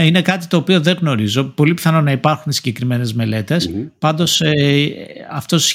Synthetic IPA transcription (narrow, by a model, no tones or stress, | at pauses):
ine̞kɐt̪i̥t̪o̞ːpio̞ðe̞ɣno̞ɾizo̞po̞lipi̥θɐno̞nɐipɐɾxunsiɲɟe̞kɾime̞ne̞zme̞le̞t̪e̞spɐnd̪o̞se | ɐft̪o̞s